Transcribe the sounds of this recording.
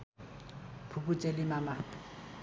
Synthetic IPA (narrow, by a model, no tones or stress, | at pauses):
pʰuput͡sʼelɪmama